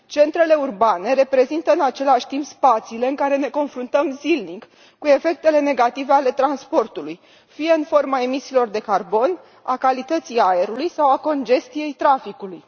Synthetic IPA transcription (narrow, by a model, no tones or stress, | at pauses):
t͡ʃe̞nt̪ɾe̞le̞urbane̞ɾe̞pɾe̞zint̪əɨnat͡ʃe̞laʃʲt̪impspat̪siːle̞ɨŋkaɾe̞ne̞ko̞nfɾunt̪əmzilnik | kːue̞fe̞k̚t̪e̞le̞ne̞ɡat̪ive̞ale̞t̪ɾanspo̞rt̪uluj | fije̞ɨnfo̞rmae̞misiːlo̞rd̪e̞karbo̞n | a̰kalit̪ət̪siae̞ɾulujsawako̞nd͡ʒe̞st̪ije̞jt̪ɾafikuluj